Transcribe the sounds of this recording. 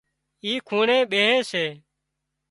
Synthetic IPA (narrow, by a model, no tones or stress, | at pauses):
iːkʰuːɳẽːɓeːɦẽːseː